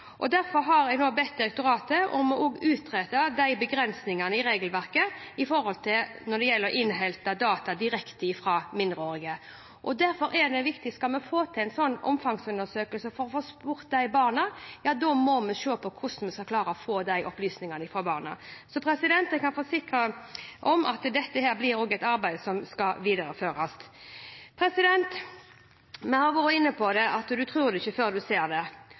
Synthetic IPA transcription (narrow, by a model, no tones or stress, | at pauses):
ʔɔd̪æɾfɔɾɦɑɾæɪnoːbɛt̪̚d̪ɪɾɛk̚t̪ʊɾɑːt̪əʔɔ̰mɔʔoːɡʉːt̪ɾeːt̪əd̪æɪbəɡɾɛnsnɪŋɑnəɪɾeːɡəlʋæɾkəɪfɔɾhɔlt̪ʰɪlnɔd̪ɛjɛlːəɾɔʔɪnɦɛlt̪əd̪ɑːt̪ɑd̪ɪɾɛkt̪əɪfɾɑːmɪnd̪ɾəoːɾɪɡə | ʔɔd̪æɾfɔɾɛd̪ɛʋɪkt̪ɪskɑlmɛfoːt̪ʰɪæɪnsɔnːɔ̰mfɑŋsʉnəsøːkəlsəfɔɾɔfoːspʊɾt̪̚d̪æɪbɑːʁnəjɑːd̪omɔmɛʃøːpʰɔkʰʊsn̩mɛskɑkʰlɑːɾəɔfoːd̪æɪʔɔplyːsnɪŋənəɪfoːbɑ̰ːʁnə̰sɔpʰɾɛsɪd̪ɛnt̪ɛɪkɑnfɔːsɪkɾəʔɔmʔɑ̰t̪d̪ɛt̪ːəhæːɾblɪɾoːɡæɪt̪ɑɾbæɪd̪sɔmskɑʋiːd̪əɾəføːɾɑs | pʰɾɛsɪd̪ɛnt̪ | mɛhɑɾʋɑːɾəɪnːəpʰɔd̪ɛʔɑt̪d̪ʉt̪ʰɾʉːɾd̪ɛɪçəføːʁd̪ʉseːɾd̪ɛ